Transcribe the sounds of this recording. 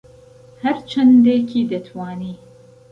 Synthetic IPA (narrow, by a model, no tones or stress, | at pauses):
hɐɾt͡ʃʰɐnd̪eːkʰiːd̪ɐt̪ʰwaːniː